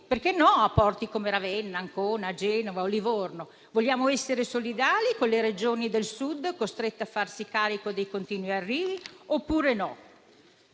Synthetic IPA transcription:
perkenːɔapːɔrt̪ikomeɾavɛnːaːŋkoːnad͡ʒɛːnovaolivorno | voʎːjaːmoɛsːeɾesolid̪aːlikonleɾed͡ʒoːnid̪elsud̪ːkost̪ɾet̪ːeafːarsikaːɾikod̪ejkont̪iːnwiarːiːviopːuːɾenɔ

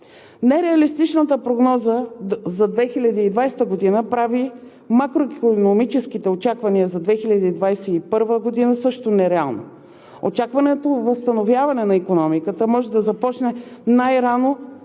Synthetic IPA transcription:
nɛɾɛɐlist̪it͡ʃnət̪əpɾoɡnɔzəzɐd̪vɛxilʲɐd̪iːd̪vajst̪əɡod̪inəpɾavi | makɾoikonomit͡ʃɛskit̪ɛot͡ʃakvɐniəzɐd̪vɛxilʲɐd̪iːd̪vajsɛipɤɾvəɡod̪inəsɤʃt̪onɛɾɛalˠno̰ | o̰t͡ʃakvɐnɛt̪ovəst̪ɐnovjavɐnɛnɐikonɔmikət̪əmɔʒɛd̪ɐzɐpɔt͡ʃnɛnajɾano

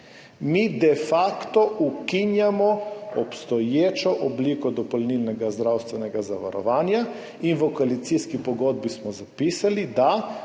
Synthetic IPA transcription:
mid̪ɛfaːkt̪ɔukinjamɔɔpst̪ɔjeːt͡ʃɔʔɔbliːkɔd̪ɔpɔlnilnɛɡazd̪ɾawst̪ʋɛnɛɡazaʋa̰ɾɔ̰ʋaːnja | inʋɔkɔalit̪siskipɔɡoːd̪̚bismɔzapiːsalid̪a

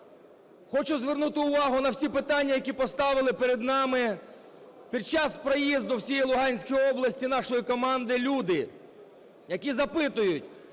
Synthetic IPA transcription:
xɔt͡ʃʊzʋernut̪ɪʊʋɑɦʊnɐwsʲipɪt̪ɑnʲːɐjɐkʲipɔst̪ɑʋɪlˠɪpeɾed̪nɑmɪ | pʲid̪̚t͡ʃɑspɾɔjizd̪ɔwsʲijilˠʊɦɑnʲsʲkijɔblˠɐsʲtʲinɑʃɔjikɔmɑnd̪ɪlʲud̪ɪ | jɐkʲizɐpɪt̪ʊjʊtʲ

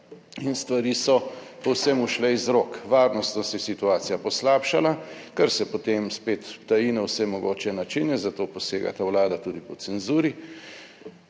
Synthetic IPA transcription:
inst̪ʋaɾiːsɔpɔwsɛmuʃlɛizɾoːkʋaːɾnɔst̪nɔsɛjɛsit̪uaːt̪sijapɔslaːpʃalakɛɾsɛpɔt̪emspeːt̪ːajiːnɛwsɛmɔɡoːt͡ʃɛnat͡ʃinɛzat̪oːpɔseːɡa̰t̪awlaːd̪at̪uːd̪ipɔsɛnzuːɾi

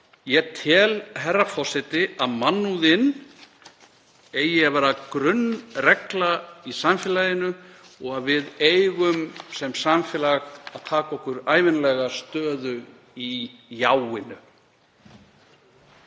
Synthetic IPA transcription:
jɛt̪ʰɛːlɦɛrːafɔ̥sɛt̪ɪaðmanːuðɪn | ejɪavɛːɾakɾʏnːrɛklaisamfjɛːlajɪnʏ | ɔɣaðvɪðeːjɣʏmsɛmsamfɛːlaɣaðt̪ʰaːkaɔhkʏɾaːjvɪnlɛɣast̪œːðʏ | ijaːwɪnʏ

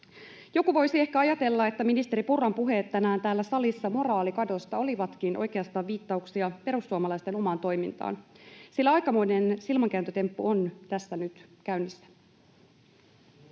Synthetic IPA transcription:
jo̞kuʋo̞jsie̞hkæɑjɑt̪e̞lːɑe̞t̪ːæminist̪e̞ɾipurɑmpuɦe̞ːt̪ːænæːnt̪æːlːæsɑlisːɑmo̞rɑːlikɑdo̞st̪ɑo̞liʋɑt̪kinʔo̞jke̞ɑst̪ɑːʋiːt̪ːɑuksiɑpe̞ɾusːuɑmɑlɑjst̪e̞no̞mɑːnt̪o̞jmḭnt̪ɑ̰ːnsilːæɑjkɑmo̞jne̞nsilmɑŋkæːnt̪øt̪e̞mpːuont̪æsːænyt̪kæynːisːæ̥

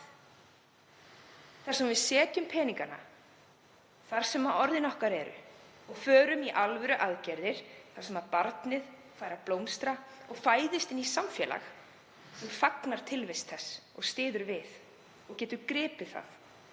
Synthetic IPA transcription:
θaɾ̥sɛmvɪðsɛːt̪jʏmpʰɛːniŋkana̰ | θaɾ̥sɛmaɔɾðɪnɔhkaɾɛɾʏ̰ɔɣfœːɾʏmiʔalvɛɾʏʔaðcɛɾðɪɾ̥θaɾ̥sɛmapaɾt̪nɪð | faːjɾaplowmst̪ɾaɔɣfaːjðɪst̪ɪnːisamfjɛla̰x | sɛmfaknaɾ̥t̪ʰɪlvejst̪θɛsːɔɣst̪ɪːðʏɾvɪð | ɔɣcɛːt̪ʏɾkɾɪːpɪ̥θa̰θ

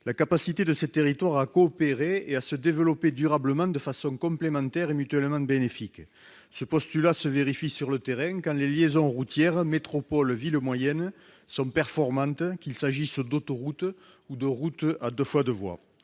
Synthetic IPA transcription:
lakapasit̪ed̪əset̪eʁit̪waʁakoːpeʁeeasəd̪evəlɔped̪yʁabləmɑ̃d̪əfasɔ̃ŋkɔ̃mplemɑ̃nt̪ɛʁemyt̪ɥɛlmɑ̃benefik | səpɔst̪ylasəveʁifisyʁlət̪eʁɛ̃kɑ̃leljezɔ̃ʁut̪jɛʁmet̪χɔpɔlviləmwajɛn | sɔ̃pɛʁfɔʁmɑ̃t̪əkilsaʒisd̪ot̪ɔʁut̪ | ud̪əʁut̪ad̪əfwad̪əvwa̰

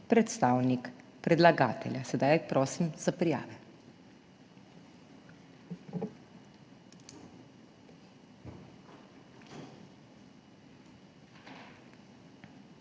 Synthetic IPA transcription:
pɾɛt̪st̪aːwnikpɾɛd̪laɡaːt̪ɛlʲjasɛd̪ajpɾɔːsimz̥apɾija̰ːʋɛ

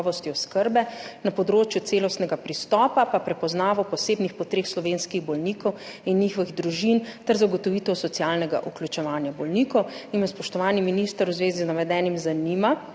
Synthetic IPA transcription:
ʋɔst̪iɔskəɾbɛnapɔd̪ɾoːt͡ʃjut̪seːlɔst̪nɛɡapɾist̪ɔːpapapɾɛpɔznaːʋɔpɔseːbnixpɔt̪ɾeːxslɔʋeːnskiɣbɔlniːkɔwinːiːxɔʋiɣd̪ɾuʒint̪ɛɾzaɡɔt̪ɔʋiːt̪ɔwsɔt̪sijalnɛɡa̰ʔuklʲut͡ʃɛʋaːnjabɔlnikɔwinmaspɔʃt̪ɔʋaːniminist̪əɾwzʋeːziznaʋɛd̪ɛːnimzanima

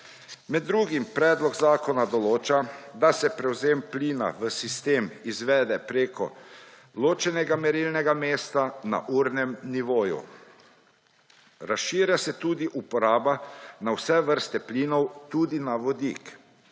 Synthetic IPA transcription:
mɛd̪ːɾuːɡimpɾɛːd̪lɔɡzaːkɔnad̪ɔloːt͡ʃad̪asɛpɾɛwzeːmpliːna̰ʋəsist̪eːmizʋɛːd̪ɛpɾeːkɔ̰ | loːt͡ʃɛnɛɡamɛɾilnɛɡameːst̪ana̰ʔuːɾnɛmniʋoːjṵ | ɾasʃiːɾjasɛt̪ud̪iʔupɔɾaːbanawsɛʋəɾst̪ɛpliːnɔwt̪uːd̪inaʋɔd̪ḭk

